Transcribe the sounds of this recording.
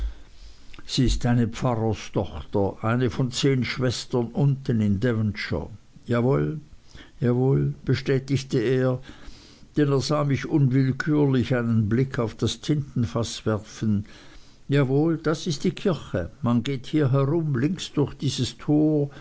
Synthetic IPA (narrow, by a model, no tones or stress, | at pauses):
z̥iːɪstaɪnəpfaʁɐstɔχtɐʔaɪnəfɔnt͡seːnʃv̥ɛstɐnʔʊntənɪndɛvənʃə̰ | jaːvoːljaːvoːlb̥əʃtɛːtɪçtəeːɐ | d̥ɛneːɐzaːmɪçʊnvɪlkʰyːɐlɪçaɪnənblɪkʰaʊfd̥ast͡sʰɪntn̩fasv̥ɛɐfn̩ | jaːvoːld̥asɪstd̥iːkʰɪɐçəmanɡeːthiːɐɦɛʁʊmlɪŋksd̥ʊɐçd̥iːzəstʰoː